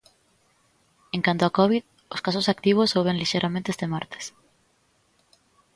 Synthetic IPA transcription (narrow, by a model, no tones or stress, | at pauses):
ẽŋkant̪oakɔβið | oskasosak̚t̪iβ̞osowβẽŋliʃejɾʔamẽnt̪eest̪emaɾt̪e̥s